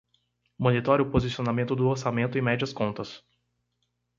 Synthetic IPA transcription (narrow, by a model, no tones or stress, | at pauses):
mõnit̪ɔɾjʊpozisionamẽnt̪ʊd̪ʊoɾsamẽnt̪ʊɪ̃mɛd͡ʒiɐskõnt̪ɐs